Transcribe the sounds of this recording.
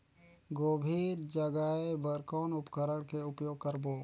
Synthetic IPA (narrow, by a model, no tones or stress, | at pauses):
ɡoːbʱiːɾd͡ʒəɡaebəɾkoːnʊpkəɾəɽkeʊpjoːɡ̚kəɾboː